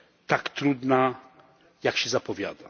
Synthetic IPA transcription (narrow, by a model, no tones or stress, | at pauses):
t̪akt̪ɾud̪na | jakɕɛzapɔvʲja̰d̪a